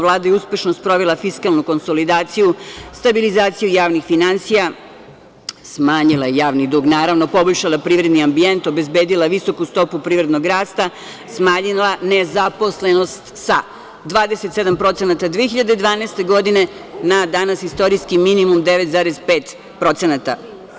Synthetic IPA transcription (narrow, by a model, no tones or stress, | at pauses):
ʋlˠaːd̪ajeuspe̞ʃnost̪̚pɾo̞ʋelˠafiskalˠnuko̞nso̞lid̪aːt̪sijust̪abilizaːt̪sijujaːʋnixfinansija | smaːɲilˠajejaːʋnid̪uːɡnaːɾaʋno̞po̞boʎʲʃalapɾiːʋɾe̞d̪niambie̞nt̪o̞be̞zbeːd̪ilˠaʋiso̞kust̪o̞pupɾiːʋɾed̪no̞ɡɾaːst̪a | smaːɲilane̞zapo̞sle̞no̞st̪sa | d̪ʋaːd̪eset̪se̞d̪ampɾo̞t̪se̞nat̪ad̪ʋiexiʎad̪ed̪ʋaːnest̪e̞ɡo̞d̪ine̞ | nad̪anasist̪o̞ɾijskiminimumd̪eʋet̪zaːɾezpeːt̪ | pɾo̞t̪senat̪a